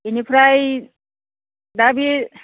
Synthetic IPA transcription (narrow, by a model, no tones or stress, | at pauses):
inipʰɾaj | d̪abi